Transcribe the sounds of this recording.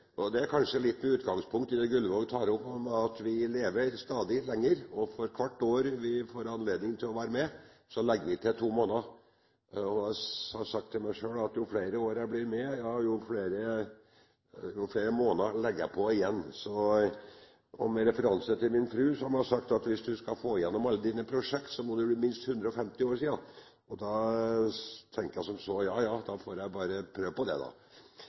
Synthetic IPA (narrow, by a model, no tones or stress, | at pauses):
ɔd̪ɛæɾkʰɑnʂəlɪt̪ːmɛʉːt̪ɡɑŋspʰʊŋkt̪ɪd̪ɛɡʉlːʋoɡt̪ʰɑːɾʊpːɑt̪ʋɪleːʋəɾst̪ɑːd̪ɪlɛŋːəɾɔfɔɾkʰʋɑʈːoːɾʋɪfoːɾɑnleːd̪nɪŋt̪ʰɪlɔʋæːɾəmɛ | sɔlɛɡːəʋɪt̪ʰɪt̪ʰuːmoːnə | ɔhɑsɑk̚t̪ʰːɪlmæɪʂøːɭɑt̪jʊfleɪɾəoːɾæblɪɾmɛjɑjʊfleːɾə | jʊfleːɾəmoːnəlɛɡəjæɪpʰɔɪjɛnːsɔ | ɔmɛɾɛfəɾɑnsət̪ɪlmɪnfɾʉːsɔhɑmɛɑsɑkt̪ɑt̪ʋɪsd̪ʉskɑfoːɪjɛnːɔmɑlːəd̪iːnəpʰɾʊʂɛkt̪sɔmɔd̪ɛbliːmɪnst̪hʉnd̪ɾəɔfɛmt̪ɪoːɾʂiːɑ | ɔd̪ɑ | t̪ʰɛŋkəjæɪsɔmsɔjɑːjɑːd̪ɑfoːɾjæɪbɑːɾəpʰɾøːʋpɔd̪ɛ̰d̪ɑ̰